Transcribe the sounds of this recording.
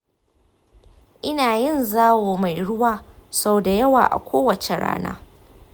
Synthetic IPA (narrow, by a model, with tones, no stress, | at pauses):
ʔɪ˦naː˨jɪ˦nzaː˦woː˨ma˨jɽʊ˦waː˦sa˦wda˨jɐ˦wa̰ː˨ʔa̰˨kʷoː˦wɐ˨t͡ʃe˨ɽa̰ː˦na̰ː˦